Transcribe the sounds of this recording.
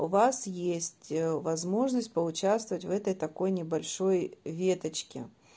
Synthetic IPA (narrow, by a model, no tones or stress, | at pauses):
ʊvasjesʲtʲvɐzmo̞ʐnəsʲt̚ʲpəʊt͡ɕast̪vəvətʲvɛt̪əjt̪ɐko̞jnʲɪbɐlʲʂo̞jvʲe̞t̪ət͡ɕkʲɪ̰